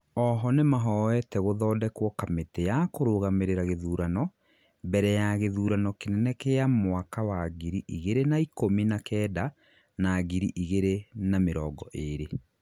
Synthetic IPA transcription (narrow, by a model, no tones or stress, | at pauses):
ɔɦɔnemaɦɔwɛtɛɣoðɔːdɛkwɔkametɛjakoɾoɣameɾeɾaɣeðuːɾanɔ | bɛɾɛjaɣeðuːɾanɔkenɛnɛkeamwakawaɣiɾiʔiɣeɾenaikominakɛːda | naɣiɾiʔiɣeɾenameɾɔːɡɔʔeɾe